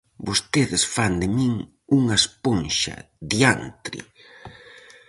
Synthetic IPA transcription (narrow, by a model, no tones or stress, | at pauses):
bost̪eðɪsfand̪ɪmiŋ | uŋɐesponʃɐ̰ | ðjant̪ɾḭ